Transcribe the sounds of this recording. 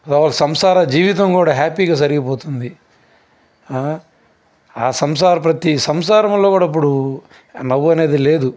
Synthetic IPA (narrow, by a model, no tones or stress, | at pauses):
ɐd̪ɔːʋaːlɐsɐmsaːɾɐd͡ʒiːʋit̪̬ɐŋkuːɽaːɦaːpiːɡaːs̬ɐɾiɡipɔːt̪und̪i | aːsɐms̬aːɾɐp̬ɾɐt̪isɐmsaːɾɐmloːkuːɽaːip̬ːuɽu | nɐʋːuɐne̞ːd̪ile̞ːd̪u